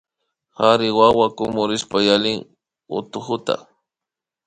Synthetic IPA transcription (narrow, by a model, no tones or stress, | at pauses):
xaɾɪwawakʊmʊɾɪspajalɪŋ | ʊ̰t̪ʊxʊt̪a̰